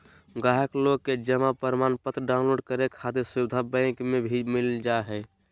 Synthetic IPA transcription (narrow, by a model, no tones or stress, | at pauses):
ɡaɦəklokːed͡ʒəmapəɾmanpət̪ɾəɖaʊnloɖkəɾekʰat̪iɾsuʋɪd̪ʱabə̃ɪkmebʱimild͡ʒaɦɛ